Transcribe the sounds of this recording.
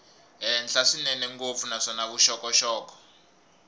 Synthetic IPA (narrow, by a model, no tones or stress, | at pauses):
ɛnt͡ɬasinɛnɛŋkofunasɔnak̬uʃɔkɔʃɔːk̬ʼɔ̥